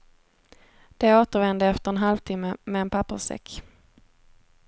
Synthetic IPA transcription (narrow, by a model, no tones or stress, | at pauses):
d̪̥ɛoːt̪əɾvɛnd̪əɛft̪əɾɛnɦalvt̪ʰɪmːəmɛːnpʰapːə̰sɛ̰kː